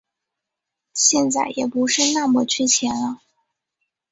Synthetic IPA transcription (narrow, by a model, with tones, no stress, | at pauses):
ɕjɛ˥˧nt͡sa˥˩ɪjɛ˨˩pu˧˥ʂɻ̩˥˧na˥˩mɔ˧˨˩t͡ɕʰy˥t͡ɕʰjɛ˧˥nlə˧